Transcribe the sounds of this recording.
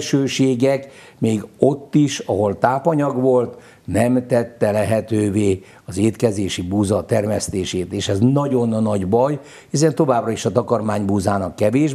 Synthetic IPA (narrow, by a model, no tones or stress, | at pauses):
ʃøːʃeːɡɛk | meːɡo̞t̪ːiʃɒɦo̞lt̪aːpɒɲɒɡʋo̞lt̪ | nɛmt̪ɛt̪ːɛlɛɦɛt̪øːveː | ɒzeːt̪kɛzeːʃibuːzɒt̪ɛrmɛst̪eːʃeːt̪eːʃɛznɒɟo̞nːɒɟbɒj | hisɛnt̪ːo̞vaːbrɒiʃɒt̪ɒkɒrmaːɲbuːzaːnɒkːɛveːʒ